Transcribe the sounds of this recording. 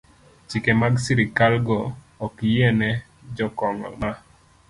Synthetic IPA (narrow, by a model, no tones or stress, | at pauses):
t͡ʃikemaɡsiɾikalɡɔː | kjɛnɛ | d͡ʒɔkɔŋɔ̰ma